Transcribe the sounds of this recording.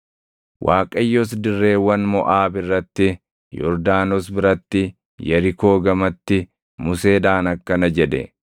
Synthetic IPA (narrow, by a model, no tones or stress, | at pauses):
wʔaːkʼɐjːɔs̬d̪ɪrːe̞ːwːɐnmɔʔaːbɪrːɐt̪ːɪ | jɔ̰ɾd̪aːnɔsbɪɾɐt̪ːɪ | jɐɾɪko̞ːɡɐmɐt̪ːɪ | mʊse̞ːd̪aːnɐkːɐnɐd͡ʒɛd̪ɛ̰